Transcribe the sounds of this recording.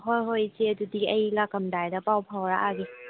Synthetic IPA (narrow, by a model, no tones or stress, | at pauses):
ɦojɦojt͡ʃeɐdudiɐjlakɐmdajdɐpawpʰawɾaʔaɡi